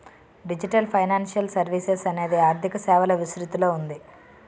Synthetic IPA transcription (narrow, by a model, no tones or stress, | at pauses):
ɖid͡ʒiʈɐlpʰɐjnaːnʃɐlsɐɾʋiːsesɐne̞ːd̪iaːɾd̪ʱikɐsɛːʋɐlɐʋisɾut̪uloːund̪i